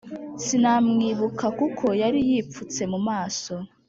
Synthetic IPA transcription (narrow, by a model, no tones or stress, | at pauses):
sinamŋiːβukʰakukʰo̞jaɾijiːp̪fut͡se̞mumaːso̞